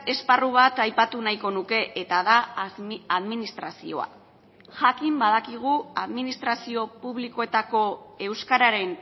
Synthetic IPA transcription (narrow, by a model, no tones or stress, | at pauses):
e̞sparuβat̪ajpat̪unajko̞nuke̞ʔet̪aða | aðminist̪ɾasio̞̰a̰ | ʝakimbaðakiɣ̞uaðminist̪ɾasio̞puβliko̞e̞t̪ako̞e̞wskaɾaɾe̞n